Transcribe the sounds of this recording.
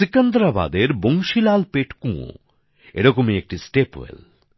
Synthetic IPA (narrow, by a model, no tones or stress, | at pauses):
sikend̪ɾaba̰d̪eɾboŋʃilalpeʈkũo̰ | ḛɾɔkomiek̚ʈisʈepḛl